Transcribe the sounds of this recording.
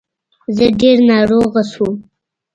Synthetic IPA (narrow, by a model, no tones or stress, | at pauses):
zəɖeɾnɑɾoɣasu